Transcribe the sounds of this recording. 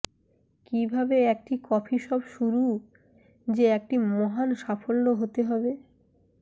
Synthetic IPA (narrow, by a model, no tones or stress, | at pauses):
kibʱabeek̚ʈikɔpʰiʃɔbʃuɾu | d͡ʑeek̚ʈimɔɦanʃafolnoɦot̪eɦɔbe